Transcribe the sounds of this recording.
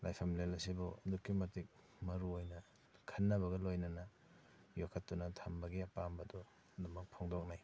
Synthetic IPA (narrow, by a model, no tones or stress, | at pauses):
lajpʰamlelɐsibɔɐdukːimɐtik̚ | mɐɾuojnɐ | kʰɐnːɐbɐɡɐlojnɐnɐ | jokʰɐtːunɐtʰambɐɡiɐpambɐdɔ | ɐdumɐk̚pʰoŋdɔk̚naj